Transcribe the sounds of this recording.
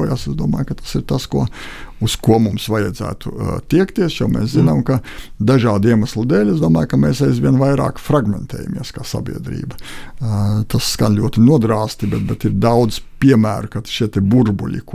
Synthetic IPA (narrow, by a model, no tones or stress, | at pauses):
ja̰sezd̪uɔma̰ːjkɐt̪ḁsiɾt̪askuɔuskuɔmumsʋajɛd̪zæ̰ːt̪ut̪iɛkt̪iɛsjomɛ̰ːszinamkad̪aʒaːd̪iɛmaslˠud̪eːlʲezd̪uɔmaːjkamɛːsajzʋʲiɛnʋajɾa̰ːkfɾaɡmɛ̰nt̪ʰɛ̰ːja̰mḭɛskaːsa̰bʲḭɛd̪ɾḭːbɐ | t̪asːɡkanlʲuɔt̪inuɔd̪ɾaːst̪ibɛt̪̚bɛt̪iɾd̪awd̪zpʲiɛmæ̰ːɾʊkat̪ʃiɛt̪ɛbuɾbṵlʲḭk